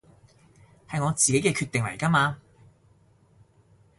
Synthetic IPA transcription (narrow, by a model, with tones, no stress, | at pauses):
hɐ˨jŋɔː˨˧t͡siː˨ke˨˥jkɛː˧kʰyː˧t̪ɪ˨ŋlɐ̰˨˩jka˥maː˧